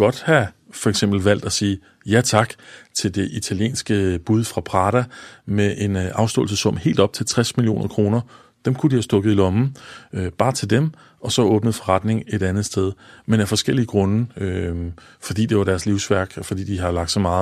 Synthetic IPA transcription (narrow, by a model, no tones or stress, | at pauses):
ɡ̥ɒ̽d̥hæfɒ̽eɡ̥sem̰b̥l̩ʋæl̰d̥æsiː | jæt͡sʰɑ̈ɡ̥t͡sʰe̝ld̥e̝ʔit͡sʰæljḛːnsɡ̥əb̥uð̞ˠfʁɑ̈pʰʁɑ̈ːɾ̥æmeʔe̝nɑ̈ʊsd̥ɔ̰ːl̩s̬əsɔ̽m̰he̝̰ːld̥ɒ̽b̥̚t͡sʰe̝lt͡sʰʁɛsmilio̰ːnʔɐkʰʁo̝ːnɐ | d̥emkʰudihæsd̥ɔ̽ɡ̥ð̞̩ˠilɒ̽mn̩b̥ɑ̈ːt͡sʰe̝ld̥em | ɒ̽sɒ̽ɔ̽ːb̥nəð̩ˠfɒ̽ʁɑ̈d̥ne̝ŋe̝ɾ̥ænð̩ˠsd̥eð̞ˠmenæfɒ̽sɡ̥el̰iəɡ̥ʁɔ̽nəø | fɒ̽d̥ḭːd̥e̝ʋɑ̈ɾ̥æɐsliʊsʋæɐɡ̥fɒ̽d̥ḭːd̥iɦɑ̈lɡ̥d̥sɒ̽mɑ̈ːð̩ˠ